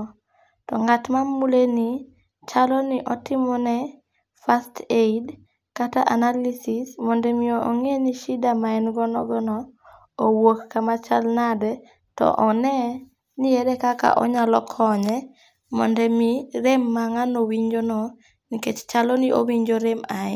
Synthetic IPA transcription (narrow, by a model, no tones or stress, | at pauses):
tɔŋatmamuleni | t͡ʃalɔnɪʔɔtɪmɔnɛ | fastʰeid | kataʔanalisismɔndɛmɪooŋeniʃidamaɛnɡɔnɔɡɔnɔ | owokːamat͡ʃalnadɛ | tɔ̰ʔɔnɛ | nɪedɛkaka̰ʔɔ̰ɲalɔkʰɔɲɛ | mɔ̰ndɛmiɾemːaŋanowiɲd͡ʒonɔ | niket͡ʃt͡ʃalɔniʔo̰wiɲd͡ʒoɾemaɛ